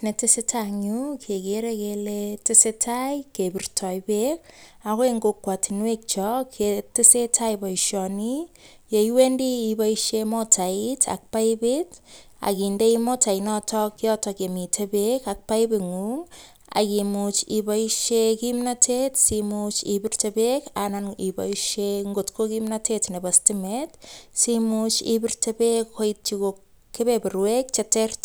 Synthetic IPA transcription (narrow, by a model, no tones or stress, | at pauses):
netɪsetʰaɲukʰekeɾekeletɪsetʰajkebirtʰɔjbek | akoeŋɡokːwatinwek̚t͡ʃɔkʰetɪsetʰajbɔiʃɔni | jejwendiːbaiʃemotʰaitʰa̰k̚paibɪt | a̰kindeimotainɔtʰɔkjɔtɔkjemitʰebekak̚paibɪŋuŋ | a̰kimut͡ʃibaiʃekimnatʰetsimut͡ʃibirtebekananiba̰iʃeŋɡotkokimnatetnebastimetsimut͡ʃḭbirtebekhoit̚t͡ʃikok | kːebebɪɾwek̚t͡ʃetert